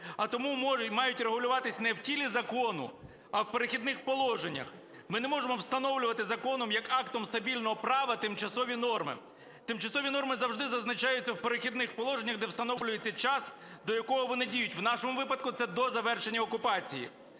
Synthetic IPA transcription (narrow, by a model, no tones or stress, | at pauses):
ɐt̪ɔmummɑjʊtʲreɦʊlʲʊʋɑt̪ɪsʲnɛwtʲilʲizɐkɔnʊ̰ | ɐwpeɾɪxʲid̪nɪxpɔlˠɔʒenʲːɐ̰x | mɪnɛmɔʒemɔwst̪ɐn̪ɔwlʲʊʋɐt̪ɪzɐkɔnɔmjɐkɑkt̪ɔmst̪ɐbʲilʲnɔɦɔpɾɑʋɐt̪ɪmt͡ʃɐsɔʋʲinɔrmɪ̰ | t̪ɪmt͡ʃɐsɔʋʲinɔrmɪzɐwʐd̪ɪzɐznɐt͡ʃɑjʊt͡sʲːɐwpeɾɪxʲid̪nɪxpɔlˠɔʒenʲːɐɣd̪ɛwst̪ɐnɔlʲʊjet͡sʲːɐt͡ʃɑs | d̪ɔjɐkɔɦɔʋɔnɪdʲijʊtʲwnɑʃɔmʊʋɪpɐd̪̚kʊt̪sɛd̪ɔzɐʋɛrʃenʲːɐɔkʊpɑt͡sʲijḭ